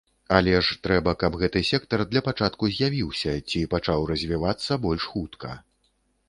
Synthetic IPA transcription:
alʲɛʂt̪ɾɛbɐkɐbɣɛt̪ɨsʲɛkt̪ɐrd̪lʲɐpat͡ʂat̪kuzʲjavʲiwsʲɐt͡sʲipat͡ʂawrɐzʲvʲivat̪sːɐbɔlʲʂxut̪kʰɐ̰

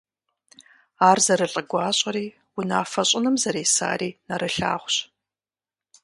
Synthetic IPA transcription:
aːrzɐɾɨɬʼɐɡʷɑːɕʼɐɾiː | wʊnaːfɐɕʼɪnɨmzɐɾeːsa̰ːɾiːnɐɾɨɬa̰ːʁʷɕ

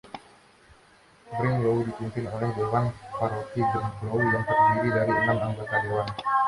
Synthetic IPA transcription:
bɾɪŋloudipumpɪnolɛhdoɾanpaɾot̪ibɛŋoujaŋt̪ərdiɾidaɾiənamaŋɡak̪adewan

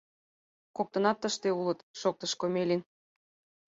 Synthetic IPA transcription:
kok̚t̪ə̆nɑt̪ːəʃt̪eulət̪ʃok̚t̪əʃkomelʲin

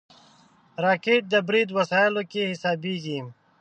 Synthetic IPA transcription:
ɾaːkeːʈ̚d̪ɐbɾiːd̪wɐsaːjlokehɪsaːbiɡim

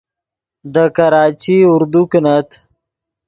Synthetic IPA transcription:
d̪əkaɾɑːt͡ʃiuɾd̪uknat̪

